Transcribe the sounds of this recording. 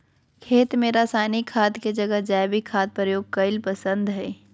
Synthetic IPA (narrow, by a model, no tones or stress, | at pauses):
kʰeːt̪mẽɾaːsaːnikʰaːd̪ked͡ʒɐɡəd͡ʒaːbikʰaːt̪̚pɾəjoːɡ̚kɐɪlpəsə̃nd̪ɦɛː